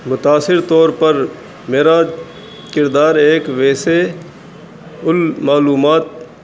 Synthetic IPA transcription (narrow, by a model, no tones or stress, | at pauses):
mʊt̪aːsɪɾt̪ɔːɾpəɾ | meːɾa | kɪɾd̪aːɾeːkʋeːse | ʊlmaːluːmaːt̪̚